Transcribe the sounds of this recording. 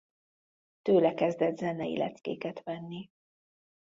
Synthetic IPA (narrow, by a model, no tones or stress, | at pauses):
t̪øːlɛkɛzd̪ɛd̪zɛnɛḭlʔɛ̰t̪t͡skḛːkɛt̪ʋɛnːi